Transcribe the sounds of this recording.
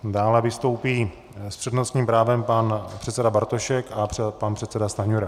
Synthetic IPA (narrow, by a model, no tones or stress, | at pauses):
daːlɛvɪst̪o̞wpiː | spr̥ɛdnost̪ɲiːmpɾaːvɛmpanpr̥ɛt̪sɛdabaɾt̪oʃɛkapanpr̥ɛt̪sɛdast̪aɲuɾa